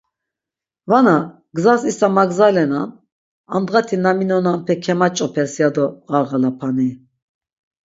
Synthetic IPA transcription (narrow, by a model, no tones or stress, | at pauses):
vana | ɡzasisamaɡzalɛnan | and̪ʁat̪ʰinaminɔnanpʰɛkʰɛmat͡ʃʼɔpʰɛɾsjad̪ɔɣaɾʁalapʰani